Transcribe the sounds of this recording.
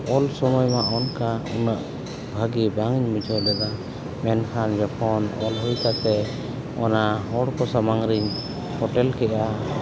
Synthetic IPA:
ɔlsɔmɔjmaʔɔnkaunaʔ | bʱaɡibaŋɲmid͡ʒʱɔjlɛd̪a | mɛnkʰand͡ʒɔpʰɔnɔ̰lɦujkat̪ɛ | ɔ̰naɦɔɽkɔsamaŋɾiɲ | hɔʈɛlkɛʔa

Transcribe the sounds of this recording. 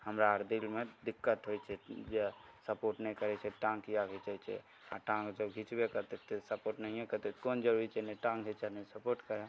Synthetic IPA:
həmɾaəɾd̪ilmẽd̪ɪkːət̪ɦoit͡ʃʰɛd͡ʒesəpoːɾʈnəɦĩkəɾɛt͡ʃʰɛʈãŋɡijaɦet͡ʃɛt͡ʃʰɛ̰ | a̰ʈãŋɡd͡ʒəbɡʱit͡ʃbekəɾt̪et̪esəpoɾʈnəɦĩɦɛkəɾt̪ekond͡ʒəɾuɾit͡ʃʰɛneʈãŋɡɦet͡ʃənesəpoɾʈkəɾe

